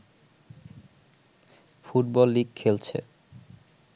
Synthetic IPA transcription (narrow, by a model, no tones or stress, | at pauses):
fuʈ̚bɔlːiɡ̚kʰelt͡ɕʰḛ